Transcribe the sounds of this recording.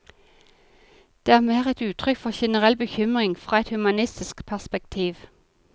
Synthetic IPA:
d̪̥eːæːʁmeːʁɛt̪ʉːt̪ʰʁʏkfɔʁʃɛnəʁɛlbəçʏmʁɪŋfʁɑːɛt̪hʉmɑnɪst̪ɪskpʰæʁspɛkt̪ʰiːʋ

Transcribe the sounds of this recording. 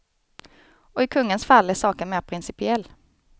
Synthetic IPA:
ɔɪkʰɵŋːənsfalːæʂɑːkənmeːɾpʰɾɪnsɪpɪɛlː

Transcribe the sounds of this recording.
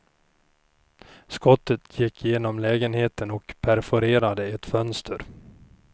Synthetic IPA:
skɔt̪ːət̪ʰjɪkʰːjeːnɔmlɛːɡənheːt̪ənɔkpʰæɾfɔɾeːɾad̪əɛt̪fœnst̪ʰəɾ

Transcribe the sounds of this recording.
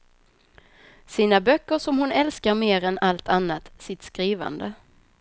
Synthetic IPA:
siːnabœkːəʂɔmhʊnɛlskaɾmeːɾɛnalt̪ʰanːat̪sɪt̪skɾiːva̰nd̪ə

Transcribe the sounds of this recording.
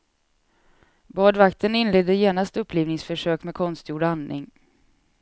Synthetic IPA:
bɑːɖvakt̪ʰənɪnleːd̪əjeːnast̪ɵpʰːliːvnɪŋsfœʂøːkmɛkʰɔnst̪juːɖanːɪ̰ŋ

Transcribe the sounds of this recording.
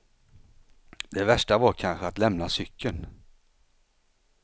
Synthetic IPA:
d̪ɛvæʂʈavaɾkʰanɧəat̪lɛmnasʏkʰːən

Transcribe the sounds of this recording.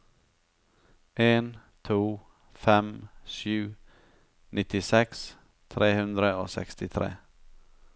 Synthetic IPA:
ʔen | t̪ʰuː | fɛmɕʉ̟ː | nɪt̪ːɪsɛks | t̪ʰɾʔeːhɵnd̪ɾəɔsɛ̰kst̪ɪt̪ʰɾḛː

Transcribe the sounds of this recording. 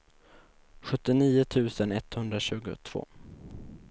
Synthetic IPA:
ɧɵt̪ːɪniːʊt̪ʰʉ̟ːsənɛt̪hɵnd̪ɾaɕʉ̟ːɡʊ̰t̪ʰv̥o̰ː

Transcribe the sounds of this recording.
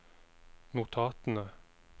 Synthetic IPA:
nʊt̪ʰɑːt̪n̩ə

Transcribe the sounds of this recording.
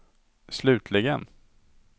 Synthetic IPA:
slʉ̟ːt̪ʰlɪɡən

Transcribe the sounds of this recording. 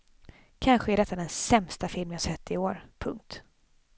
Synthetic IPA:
kʰanɧəæɖɛt̪ːad̪ɛnsɛmst̪afɪlmjashœt̪ːɪoːɾpʰɵŋk̚t̪

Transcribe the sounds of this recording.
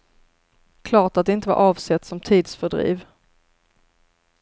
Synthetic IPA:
kʰlɑːʈat̪̚d̪ɛɪnt̪əva̰ɾʔɑːvsɛt̪sɔmt̪ʰiːd̪sfœɖɾḭːv

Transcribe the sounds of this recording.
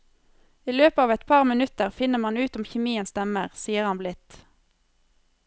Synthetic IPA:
iːløːpəɑːʋɛt̪pʰɑʁmɪnʉt̪əʁfɪnəmɑnʉːt̪ʊmçɛmiːənsd̪ɛməʁsiːəʁɑnblɪt̪

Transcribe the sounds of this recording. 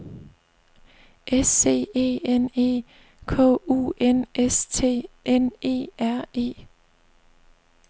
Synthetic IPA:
ʔesːe̝̰ːe̝̰ːene̝̰ː | kʰɔ̰̽ːṵːʔenʔest͡sʰe̝̰ːene̝̰ːæɐ̰e̝̰ː

